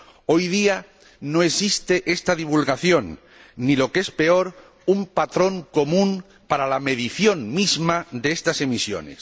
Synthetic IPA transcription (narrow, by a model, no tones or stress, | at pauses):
o̞jðia | no̞e̞sist̪eʔe̞st̪aðiβ̞ulɣaθjo̞nː | ilo̞ke̞spe̞o̞ɾ | umpat̪ɾo̞ŋko̞mũŋ | paɾalame̞ð̞iθjo̞ŋmizmad̪eest̪ase̞misjo̰ne̞̰s